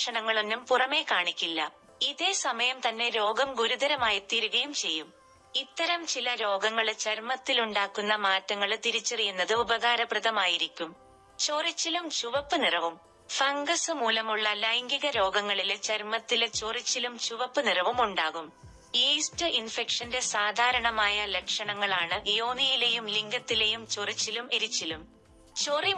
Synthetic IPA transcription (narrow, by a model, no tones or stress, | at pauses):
ʂɐɳɐŋːɐɭonːumpurɐme̞ːkaːɳikʲːilːɐ̰ | iðe̞ːsɐmɐjɐmt̪ɐnːe̞ɾo̞ːɡɐmɡuɾuðɐɾɐmaːjɐt̪ːiːɾuɣɐjumt͡ɕe̞jːum | it̪ːɐɾɐmt͡ɕilɐɾo̞ːɡɐŋːɐɭt͡ɕɐɾmɐt̪ːiluɳɖaːkːunːɐmaːtːɐŋːɐɭt̪iɾit͡ɕːɐrijunːɐðɨubɐɣaːɾɐprɨðɐmaːjiɾikʲːum | t͡ɕo̞ːrit͡ɕːilumt͡ɕuʋɐpːɨnirɐʋum | fɐŋɡɐsɨmuːlɐmuɭːɐlɐjŋɡiɣɐɾo̞ːɡɐŋːɐɭilt͡ɕɐɾmɐt̪ːilt͡ɕorit͡ɕːilumt͡ɕuʋɐpːɨnirɐʋumuɳɖaːɣum | iːstɨʔinfe̞kʂɐnde̞saːd̪ʱaːɾɐɳɐmaːjɐle̞kʂɐɳɐŋːɐɭaːɳɨjo̞ːnijile̞jumliŋɡɐt̪ːile̞jumt͡ɕorit͡ɕːilumeɾit͡ɕːilum | t͡ɕori